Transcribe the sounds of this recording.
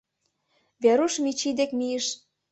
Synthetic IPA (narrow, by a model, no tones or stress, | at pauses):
βeɾuʃmit͡ɕid̪ekmijəʃ